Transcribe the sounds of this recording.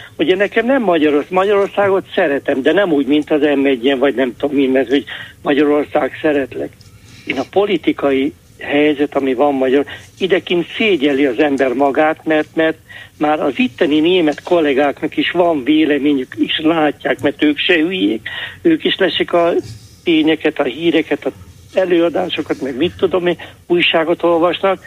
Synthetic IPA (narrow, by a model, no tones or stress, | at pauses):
uɟɛnɛkɛmnɛmːɒɟɒɾorsmɒɟɒɾo̞rsaːɡo̞t̪sɛɾɛt̪ɛmd̪ɛnɛmuːɟmint̪ɒzɛmːɛɟːɛnvɒɟnɛmt̪o̞mːinmɛrhoɟmɒɟɒɾo̞rsaːɡsɛɾɛt̪lɛ̰ɡ | eːnɒpo̞lit̪ikɒji | hɛjzɛt̪ɒmivɒmːɒɟɒɾid̪ɛkint̪seːɟɛliɒzɛmbɛrmɒɡaːt̪mɛrt̪mɛrt̪maːɾɒzit̪ːɛnineːmɛt̪ko̞lːɛɡaːknɒkiʃʋɒɱveːlɛmeːɲykiʃlaːcːaːkmɛrt̪øːkʃɛhyjeːkøːkiʃlɛʃikɒt̪eːɲɛkɛt̪ɒɦiːɾɛkɛt̪ɒ | ɛløːɒd̪aːʃo̞kɒt̪mɛɡmit̪ːud̪o̞miuːjʃaːɡo̞t̪o̞lvɒʃnɒk̚